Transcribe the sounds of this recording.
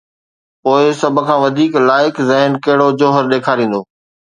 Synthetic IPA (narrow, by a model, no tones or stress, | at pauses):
poːɪsɐbʱkʰãːʋɐd̪ʱiːklaːɪkzɐɦɪnkɐɦɪɽod͡ʑoːɦəɾɗeːkʰaːɾĩːnd̪oː